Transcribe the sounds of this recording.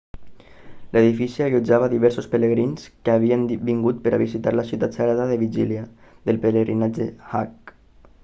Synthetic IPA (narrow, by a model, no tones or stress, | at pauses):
ləðifisiaʎud͡ʒaβaðiβɛɾsospələɣɾinskəaβiəmbiŋɡut̪̚pəɾʔa̰βizit̪aɾləsiuwt̪at̪səɣɾaðaðəβiʒilja | ðəlˠpələɣɾinad͡ʒəhak̚